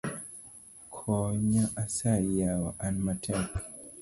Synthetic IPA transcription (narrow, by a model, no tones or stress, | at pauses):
kʰɔɲaʔasajawaʔanmatʰak